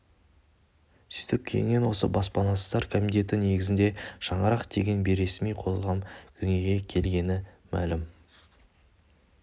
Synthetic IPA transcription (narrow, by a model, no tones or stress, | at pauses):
sʏt̪ɪp̚kʲʰejɪ̰ŋenwo̞sə̰bɑspɑnɑsə̥t̪ɑɾkʰomit̪e̞t̪ɪne̞ɡʲɪzɪnd̪eʃɑɴɑɾɑqd̪e̞ɡʲe̞nbeɾe̞smijqʰo̞lˠʁɑmkʲʰʏŋe̞ɡʲe̞kʲʰe̞lɡʲe̞nɪ | mæ̰lɪm